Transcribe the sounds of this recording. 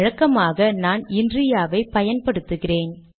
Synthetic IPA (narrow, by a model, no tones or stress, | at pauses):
ɻɐkːɐmaːɣɐnaːnɪndrɪjaːʋɐɪpɐjɐnpɐɽɯt̪ːɯɣɪreːn